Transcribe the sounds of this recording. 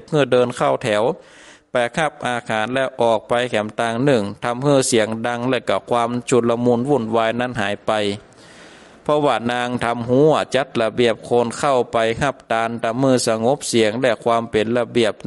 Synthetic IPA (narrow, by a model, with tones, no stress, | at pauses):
p̚hɯː˧˥˩dɤː˧nkʰa˧˩wt̪ʰɛ˨˩˦w | pa˨˧jkʰa˧˩p̚ʔaː˧kʰaː˨˦nlɛ˧wʔɔː˨˩k̚pa˧jkʰɛ˨˦mt̪aː˧˩ŋnɯ˧˩ŋt̪ʰa˧mhɯː˧˩˨si˨˦əŋda˧ŋlɛː˧˩ka˧˩kʰwaː˧˥mt͡ɕʰu˧˨t̪̚la˧muː˧˥˨nwu˧˩˨nwaː˧jna˧˥˨nɦaː˨˦jpa˨j | pʰɔ˧waː˧˩naː˧ŋt̪ʰa˧˥mhu˧˥˨ɐt͡ɕa˧˥t̪̚la˧bi˧˩əp̚kʰoː˧˥˨nkʰa˧˩wpa˨jha˧p̚t̪aː˧nt̪a˧mhɯː˧˩˨sa˧ŋo˧˦˥p̚si˨˦əŋlɛ˧˩kʰwaː˧mpe˨˦nla˧bi˧˨˩əp̚